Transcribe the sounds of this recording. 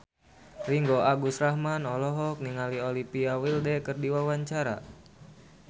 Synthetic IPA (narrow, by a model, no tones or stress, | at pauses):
riŋɡoʔaɡusrahmanɔlɔɦɔk̚niŋaliolipiawildɛkərdiwawaɲt͡ʃaɾa̰